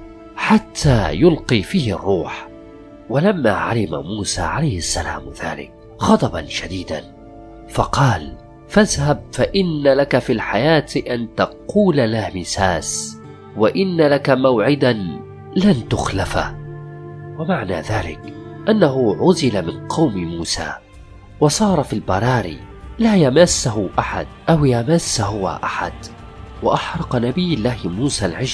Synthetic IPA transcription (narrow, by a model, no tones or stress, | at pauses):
ħat̪ʰːaːjʊlqiːfiːhɑ̰rˤːuːħ | walamːa̰ːʕa̰lɪma̰muːsa̰ːʕalajhɪʔasːalaːmða̰ːlɪ̰k̚ | xɑd̪ˤɑbanʃad̪iːd̪an | fɑqɑːl | faðhab̚faʔɪnːalakafiːlħajaːt̪ʔant̪ɑquːlalahmɪsaːs | waʔɪnːalakamawʕɪd̪a | lant̪ʊxlafa̰ | wamaʕna̰ːðaːlɪ̰kʔanːaɦʊʕʊzɪlamɪnqʰɑwmɪmuːsa̰ː | wɑsˤɑːɾˤɑfilbɑɾˤɑːɾḭː | laːjamasːaɦʊʔaħa̰d̪̚ʔawjamasːaɦʊwa̰ʔaħa̰d̪ | waʔaħɾˤɑqnabɪjːɪlːaːhmuːsaːlʕɪʒ